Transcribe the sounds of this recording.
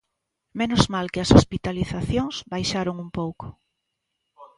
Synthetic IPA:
menʊzmalkɪɐsospit̪aliθaθjoŋsbajʃaɾoŋumpowkʊ̥

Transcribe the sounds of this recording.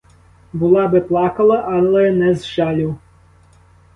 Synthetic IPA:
bulˠɑbɪplˠɑkɐlˠɐʔalˠɛnɛzʒalʲiw

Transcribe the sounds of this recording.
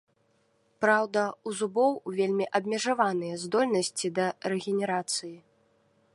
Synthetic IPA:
pɾawd̪ɐuzubɔwuvʲelʲmʲiʔɐbʲmʲɛʐavanɨjɛzd̪ɔlʲnɐsʲt͡sʲid̪ɐrɛɣʲɛnʲɛɾat̪sɨji

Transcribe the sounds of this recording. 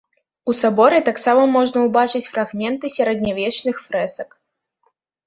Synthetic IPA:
usabɔɾɨt̪aksamɐmɔʐnəubat͡ʂɨt͡sʲfrɐɣmʲɛnt̪ɨsʲɛɾɛd̪ʲnʲavʲet͡ʃnɨxfɾɛsɐk

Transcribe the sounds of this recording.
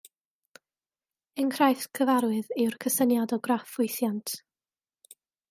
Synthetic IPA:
ənkʰrajθkʰəvaɾwɨðɨwrkʰəsənjadɔɡrafʊjθjantʰ

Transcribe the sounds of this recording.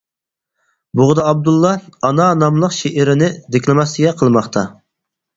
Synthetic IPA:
bʊʁd̪ɑɑb̚d̪ulˠːɑɑnɑnɑmlˠəqʃeʔɪɾɪnɪd̪ɪkʲlɪmɛsɪɡʲɛqʰəlˠmɑχt̪ʰɑ

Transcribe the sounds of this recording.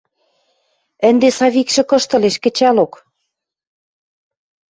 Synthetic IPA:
ɘ̆nd̪esɑβikʃɘ̆kɤ̆ʃt̪ɤ̆leʃkɘ̆t͡ɕælok

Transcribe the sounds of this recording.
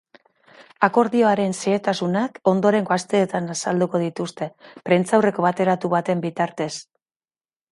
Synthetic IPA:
ako̞ɾðio̞aɾe̞nseːt̪asunako̞nd̪o̞ɾe̞ŋɡoast̪e̞ːt̪anasald̪uko̞ð̞it̪ust̪e̞pɾe̞nt͡sawre̞ko̞βat̪e̞ɾat̪uβat̪e̞mbit̪aɾt̪e̞s

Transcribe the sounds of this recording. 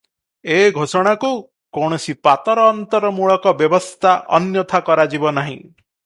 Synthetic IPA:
eɡʱosɔɽ̃aku | koɽ̃ɔsipat̪ɔɾɔːnt̪ɔɾɔmuɭɔkɔbjɔbɔst̪ʰaʔɔ̰njɔt̪ʰakɔɾad͡ʒibɔnaɦḭ̃

